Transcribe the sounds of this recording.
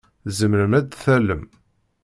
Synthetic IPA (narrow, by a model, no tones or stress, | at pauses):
zəməɾəmæd̪θæləm